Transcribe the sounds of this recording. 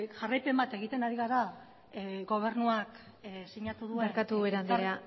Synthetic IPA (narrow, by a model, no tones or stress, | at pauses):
ʝarajpe̞mbat̪e̞ɣ̞it̪e̞naɾiɣaɾa | ɣo̞β̞e̞ɾnuak | siɲat̪uðueeɾkat̪uβeɾand̪iɾea